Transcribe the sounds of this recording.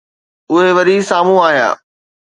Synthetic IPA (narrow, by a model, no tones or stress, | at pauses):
ʊɦeʋɐɾisaːm̤ũaːɦija̰ː